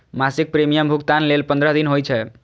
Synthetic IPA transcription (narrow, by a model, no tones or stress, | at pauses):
masik̚pɾemijəmbʱuɡt̪anlelpənd̪ɾəɦd̪inɦojt͡ʃʰɛ